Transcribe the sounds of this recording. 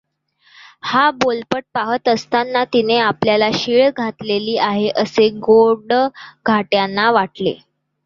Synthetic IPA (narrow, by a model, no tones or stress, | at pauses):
habolpəʈ̚paɦət̪əst̪anːat̪ineapljalaɕiɭɡʱat̪leliːʔaɦeʔəseɡoɾɖɡʱaʈjanːaʋaʈlḛ